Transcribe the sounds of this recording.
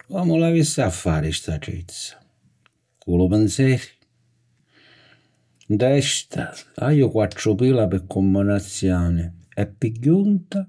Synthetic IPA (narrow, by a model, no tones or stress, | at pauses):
kɔmʊlavisːaafːaːɾɪst̪aʈḭt̪sːḁ | kulʊpɪnsɛːɾi̥ | nd̪ɛst̪ʰa̰a̰jʊkwaʈ̪ːɾʊpiːlapɪkʰːɔmːanat̪sːjɔːnɪɛpːiɟːunt̪a